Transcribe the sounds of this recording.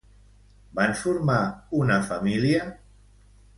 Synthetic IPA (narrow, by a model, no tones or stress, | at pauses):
bansfuɾmaunafamilja